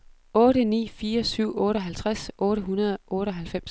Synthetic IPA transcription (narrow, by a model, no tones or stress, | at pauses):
ɔ̽ːɾənḭːfiːɐsyʊ̰ɔ̽ːɾəɒɦælt͡sʰʁasʔɔ̽ːɾəɦunɐð̞ˠʔɔ̽ːɾ̥əɒ̽ɦælfem̰s